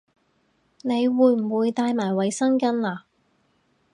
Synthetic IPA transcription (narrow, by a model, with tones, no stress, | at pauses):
ne˨˧jwuː˨˧jm̩˨˩wuː˨˧jt̪aː˧jmaː˨˩jwɐ˨˧jsɐ˥ŋkɐ˥nlaː˨˧